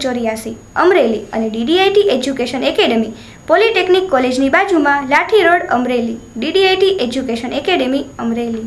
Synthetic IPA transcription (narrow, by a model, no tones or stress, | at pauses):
t͡ʃoɾijasi | əmɾeliə̰neɖiɖiajʈiʔed͡ʒjukeʃənekeɖemi | poliʈeknikːɔled͡ʒnibad͡ʒumãlaʈʰiɾoɽə̰mɾeli | ɖiɖiajʈiʔed͡ʒukeʃənekeɽemiəmɾeli